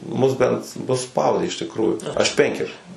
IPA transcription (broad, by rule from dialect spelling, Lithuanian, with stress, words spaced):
ˈmʊs ˈbʲɛnt nʊ ˈspɐʊdʲeː ɪʃ tʲɪkˈruːjuː ˈɐʃ ˈpʲɛŋʲkʲɛrʲʊs